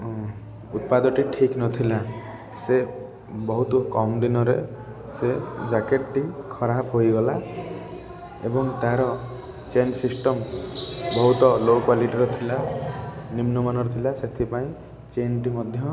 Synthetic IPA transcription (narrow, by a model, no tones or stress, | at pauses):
ut̪̚pad̪ɔʈiʈʰiknɔt̪ʰila | se | bɔɦut̪ɔkɔmd̪inɔɾe | sed͡ʒakeʈʈikʰɔɾapʰɦojɡɔla | ebɔŋt̪ãɾɔ | t͡ʃensisʈɔm | bɔɦut̪ɔlokwaliʈiɾɔt̪ʰila | nimnumanɔɾɔt̪ʰilaset̪ʰipaĩ | t͡ʃenʈimɔd̪ʱjɔ